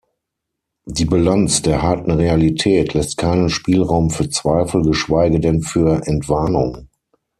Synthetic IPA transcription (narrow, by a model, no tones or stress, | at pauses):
diːbalant͡sd̥eːɐhaɐtn̩ʁealitʰɛːtʰlɛstkʰaɪnənʃpiːlʁaʊmfyːɐt͡sv̥aɪfl̩ɡəʃv̥aɪɡədɛnfyːɐʔɛntv̥aɐnʊ̰ŋ